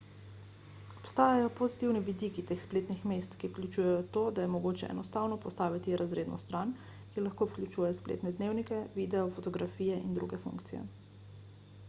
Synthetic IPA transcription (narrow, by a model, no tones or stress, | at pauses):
ɔpst̪aːjajɔpozit̪iwniʋid̪ikit̪eːxspleːt̪nixmeːst̪kiwklʲut͡ʃujɛjɔt̪oːd̪ajɛmɔɡoːt͡ʃɛɛ̰nɔst̪aːwnɔpɔst̪aːʋit̪iɾʔazɾeːd̪nɔst̪ɾan | kilaxkowklʲut͡ʃuːjɛjɔsplḛt̪nɛd̪neːwnikɛʋid̪ɛjɔfɔt̪ɔɡɾafiːjɛind̪ɾṵɡɛfṵŋkt̪sijɛ̰